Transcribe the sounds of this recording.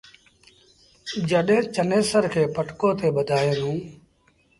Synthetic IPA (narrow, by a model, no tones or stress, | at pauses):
d͡ʒəɗɦẽːt͡ʃəneːsəɾkʰeːpəʈkõːt̪ʰeːɓəd̪ʱaːeːnũː